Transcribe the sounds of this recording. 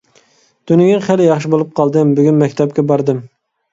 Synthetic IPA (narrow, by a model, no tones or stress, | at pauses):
d̪̥ynɪɡʲiŋχælɪjɑχʃɪbolˠup̚qʰɑlˠd̪ɨmbyɡʲynmɛkʲt̪ʰɛp̚kʲɛbɑɾd̪ɨm